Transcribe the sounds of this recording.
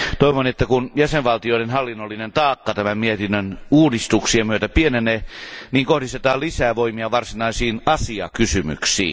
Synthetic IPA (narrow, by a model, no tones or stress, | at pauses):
t̪oiʋonet̪ːækunjæseʋʋɑlt̪ioidenhɑlːinːolːinent̪ɑːkːɑt̪æmæmmiet̪inːønuːdist̪uksiemyøt̪æpieneneniːŋkohdist̪et̪ɑːlisæːʋoimiɑʋɑrsinɑisiːnɑsiɑ̰kysymy̰ksḭː